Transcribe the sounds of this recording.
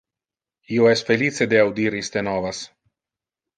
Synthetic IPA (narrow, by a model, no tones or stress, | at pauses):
ioɛsfelit͡sed̪eawd̪iɾist̪enɔvas